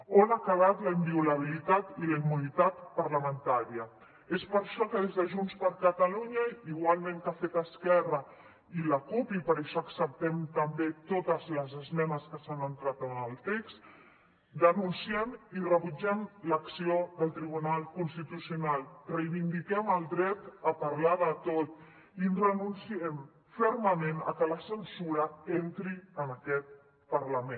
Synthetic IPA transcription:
onakəβ̞at̪ləimbiuləβ̞ilit̪at̪iləimunit̪at̪pəɾləmənt̪aɾiə | espəɾʃɔkəðezðəʒunspəɾkət̪əluɲəiɣ̞walˠmẽŋkafet̪əskɛrə | iləkupipəɾəʃɔəksəp̚t̪ɛmt̪əmbet̪ot̪əzləzəzmɛnəskəsanənt̪ɾat̪ənəlˠt̪ekst̪ | d̪ənunsiɛmirəβud͡ʒɛmləksioðəlˠt̪ɾiβ̞unalˠkunst̪it̪usiunalˠrəjβind̪ikɛməlˠd̪ɾɛt̪əpəɾlaðət̪ot̪ | inrənunsiɛm | fɛɾməmenə̰kələsənsuɾəent̪ɾiənəkɛt̪̚ | pəɾləmẽn

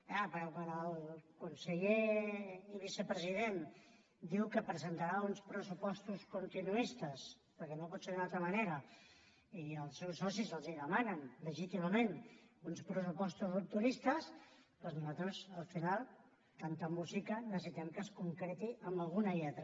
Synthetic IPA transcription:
apəɾɔkwanəlˠkunsəʎe | iβisəpɾəziðen | d̪iwkəpɾəzənt̪aɾaunspɾəsupɔst̪uskunt̪inuist̪əs | pəɾkɛnopɔt̪seðunalˠt̪ɾəmɐneɾə | iəlˠsːɛwsːɔsizəlˠziðəmanənləʒit̪iməmenunspɾəs̬upɔst̪uzup̚t̪uɾist̪əspɔznuzat̪ɾəzəlˠfinalˠ | t̪ant̪əmuzikənəs̬əsit̪ɛmkəskuŋkɾet̪iʔəmbəlˠɣunəiat̪ɾə

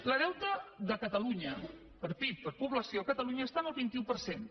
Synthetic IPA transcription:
ləðɛwt̪əðəkət̪əluɲə | pəɾpit̪̚pəɾpuβləsioəkət̪əluɲəːst̪anəlˠβint̪iupəɾsen

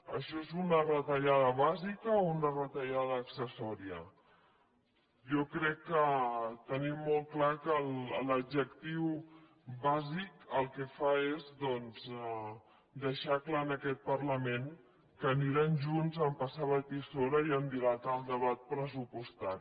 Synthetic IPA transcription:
əʃɔezunərət̪əʎaðəβazikəounərət̪əʎað̞əːksəsɔɾiə | jɔkɾɛkːət̪ənimːɔl̚ˠklakəlləbd͡ʒəkt̪iw | βazikəlˠkɛfaezðɔnz | d̪əʃaklaənəkɛt̪̚pərləmen | kəniɾanʒunzəmpasaβət̪isoɾəiənd̪ilat̪əlˠd̪əβat̪̚pɾəzupust̪aɾi

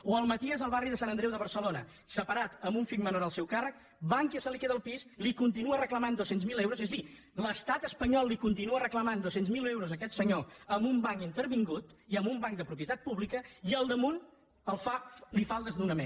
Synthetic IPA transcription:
oəlˠmət̪iəzəlˠβariðəsanənd̪ɾɛwðəβ̞ərsəlonə | səpəɾat̪əmbuɱfik̚mənoɾəlˠsɛwkarək̚ | baŋkjisəlikeðəlˠpislikunt̪̬inuərəkləmand̪osenzmilewɾozezði | ləst̪at̪əspəɲɔlˠːikunt̪inuərəkləmand̪osenzmilewɾozəkɛt̪səɲoəmbumbaŋint̪əɾβiŋɡut̪iəmbumbaŋkd̪əpɾupiət̪at̪̚puβlikəiəlˠd̪əmun | əlˠfalifalˠd̪əzd̪unəmḛn

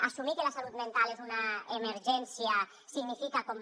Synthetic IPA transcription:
asumikelasalut̪mẽnt̪alezunaemeɾʒɛnsja | siɣnifikakom

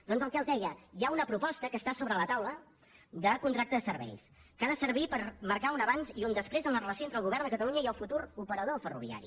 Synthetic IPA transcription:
d̪̥ɔnzəlˠkɛəlˠzðɛjəjaunəpɾupɔst̪əkəst̪asoβɾələt̪awlə | d̪əkunt̪ɾak̚t̪əðəsərβɛ̰jskaðəsəɾβipəɾməɾkaunəβanziund̪əspɾezəmlərələsioent̪ɾəlˠɣuβɛɾrnd̪əkət̪əluɲəiəlˠfut̪uɾupəɾəðofərṵβ̞ia̰ɾḭ

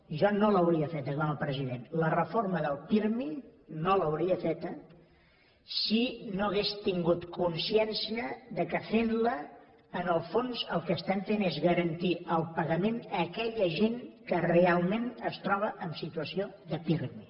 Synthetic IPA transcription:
ʒɔnoləwɾiəfet̪̚d̪əɣaməpɾəziðenlərəforməðəlˠpiɾminoləwɾiəfet̪ə | sinoəɣest̪iŋɡut̪kunsiɛnsiəðəkəfenləː | nəlˠfonzəlˠkəːst̪aɱfenezɣəɾənt̪iʔəlˠpəɣəmenəkɛʎəʒeŋkərrealˠmẽnəst̪ɾɔβ̞əʔəmsit̪uəsio | ðəpiɾmi

